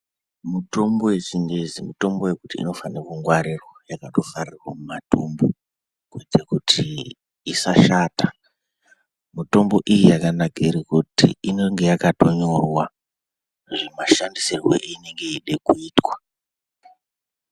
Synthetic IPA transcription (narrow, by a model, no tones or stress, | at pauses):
muto̞mbo̞we̞sindezimuto̞mboje̞kutḭːno̞fanekuŋɡwaɾiro̞jakato̞farirwamumatombo | kwed͡zekutʰi | isaʃaːta | muto̞mbo̞ʔijijakanakiɾikutḭinoŋɡe̞jakato̞ɲorwa | ʐemaʃandisirweʔne̞ŋɡe̞iɗe̞kuiːtwa